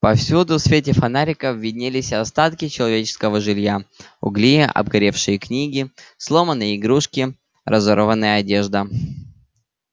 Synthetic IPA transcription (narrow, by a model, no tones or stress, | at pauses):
pɐfsʲud̪ʊsfʲetʲɪfɐnaɾʲɪkəvʲːɪdʲnʲelʲɪsʲɐst̪at̪kʲɪt͡ɕɪlˠɐvʲet͡ɕɪ̥skəvəʐɨlʲja | ʊ̰ɡlʲiʔɐ̰bɡɐɾʲe̞fʂɨjəknʲiɡʲɪslˠo̞mənːɨjəɪɡɾuʂkʲɪ | ɾʔɐzoɾəvənːɨjəɐdʲeʐd̪ə